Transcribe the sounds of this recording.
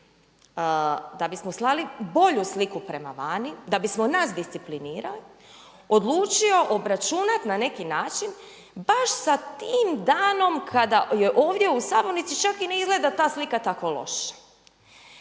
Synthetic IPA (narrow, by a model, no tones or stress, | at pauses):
d̪abismoslˠalibo̞ʎuslikupɾe̞ma̰ʋaːnid̪abismonasd̪ist̪sipliniːɾali | o̞d̪lˠuːt͡ʃio̞ʔobɾat͡ʃunat̪nane̞kinaːt͡ʃin | baʃsat̪iːmd̪aːno̞mkʰad̪ajeʔo̞ːʋd̪ʲje̞usabonit̪sit͡ʃakine̞izɡle̞d̪at̪aːslikat̪akʋolˠo̞̰ʃḁ